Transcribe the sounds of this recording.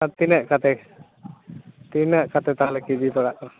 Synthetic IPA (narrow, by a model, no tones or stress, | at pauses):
at̪inəʔkat̪ɛ | t̪inəʔkat̪ɛt̪aɦalɛkibʱipɛɽaʔɾ